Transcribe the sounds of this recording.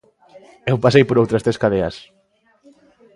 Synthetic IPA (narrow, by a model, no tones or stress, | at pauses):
ewpasejpoɾowt̪ɾɐst̪eskaðeɐ̰s